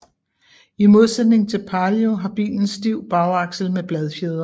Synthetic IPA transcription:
imo̝ð̞ˠsed̥ne̝ŋt͡sʰe̝lpʰɑ̈ljo̝ɦɑ̈b̥ḭːln̩sd̥iʊ̰b̥ɑ̈ʊɑ̈ɡ̥sl̩meb̥lɛð̞ˠfjeð̞ˠɐ

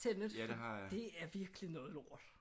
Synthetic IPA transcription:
enəɑd̥e̝æɐʋiɐɡ̥əlinɔ̽ːð̩ˠo̝ːɐ̰lˠ

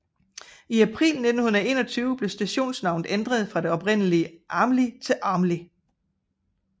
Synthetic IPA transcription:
iæpʰʁḭːlne̝d̥n̩hunð̩ˠe̝ːnɒ̽t͡sʰyːʊəb̥le̝sd̥æɕo̝̰ːnsnɑ̈ʊ̰nð̩ˠend̥ʁɐð̞ˠfʁɑ̈de̝ɒ̽pʁen̰əliəʔɑ̈ːmlit͡sʰe̝lʔɑ̈ːmli

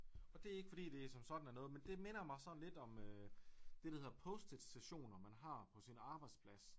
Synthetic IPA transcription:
ɒ̽d̥e̝æe̝ɡ̥əfɒ̽d̥ḭːd̥e̝sɒ̽msɒ̽d̥n̩æɐnɔ̽ːð̩ˠmend̥e̝me̝nɐmɑ̈ɪsɒ̽d̥n̩le̝d̥ɒ̽mød̥e̝d̥æ̈he̝ð̰ˠɐpʰɔsd̥ed̥sæɕo̝̰ːnɐmænɦɑ̈pʰɒ̽sinɑ̈ːb̥ɑ̈ɪd̥spʰlæs

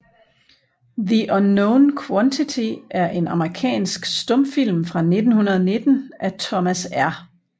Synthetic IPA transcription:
ðiʔɒnːoʊnkʰwɒnt͡sʰit͡sʰiʔæɐʔe̝nɑ̈məʁikʰɛ̰ːnsɡ̥sd̥ɔ̽m̰fil̰mfʁɑ̈ne̝d̥n̩hunɐð̞ˠne̝d̥n̩ʔæt͡sʰɒmæsæɐ

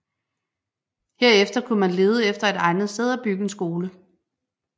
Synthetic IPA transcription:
he̝ɐ̰efd̥ɐkʰumænle̝ːð̞ˠəefd̥ɐe̝d̥ɑ̈ɪnð̩ˠsd̥eð̞̰ˠæb̥yɡ̥əensɡ̥o̝ːlə

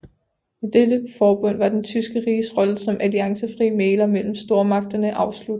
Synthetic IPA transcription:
ed̥ed̥əfɒːb̥ɔ̽n̰ʋɑ̈d̥ent͡sʰysɡ̥əʁiːsʁɒ̽ləsɒ̽mʔæliɑ̈ŋsəfʁiːəmeːlɐmel̰m̩sd̥o̝ɐ̰mɑ̈ɡ̥̚d̥ɐnəʔɑ̈ʊslud̥ˠ

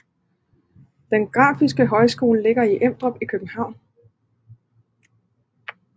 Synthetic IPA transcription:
d̥enɡ̥ʁɑ̰̈ːfisɡ̥əɦɒ̽ɪsɡ̥o̝̰ːləle̝ɡ̥ɐiʔem̰d̥ʁɒ̽b̥ikʰøb̥̩hɑ̈ʊ̰n

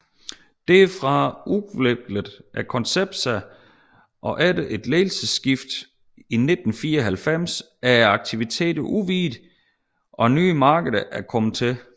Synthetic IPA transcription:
d̥efʁɑ̈uleb̥ləðˠʔækʰɒ̽nseb̥sæ | ʔɒ̽ʔæd̥əʔe̝d̥leːlsəsːɡ̥ifd̥ | ine̝d̥n̩fiːɐɒɦælfem̰s | æɐɑ̈ɡ̥̚t͡sʰiʋit͡sʰe̝̰ːd̥ɐʔuʋiːd̥ | ʔɒ̽nyːmɑ̈ːɡ̥əð̩ˠɐʔæɐkʰɒ̽m̩ˠt͡sʰe̝

